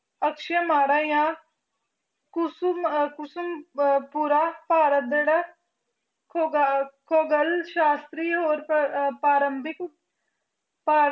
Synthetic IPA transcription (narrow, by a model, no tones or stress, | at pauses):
əkʃəmaːɽaːjãː | kʊskʊsəmpuːɾaːpaːɾət̪̚d̪eɽa | kʰoːɡəlʃaːst̪ɾiːɦoːɾpaːɾəmbɪk | paː